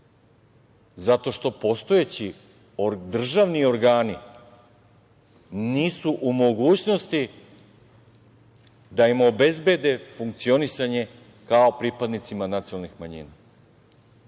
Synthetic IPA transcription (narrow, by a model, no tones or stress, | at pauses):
zat̪o̞ʃt̪o̞po̞st̪o̞et͡ɕi | d̪r̩ʒaʋnio̞ɾɡaːni | niːsuʔumo̞ɡuːt͡ɕno̞st̪i | d̪aimo̞be̞zbe̞d̪e̞fuŋk̚t̪sio̞nisaɲe̞ | kao̞pɾipad̪nit̪simanat̪sionalˠnixmaɲḭːna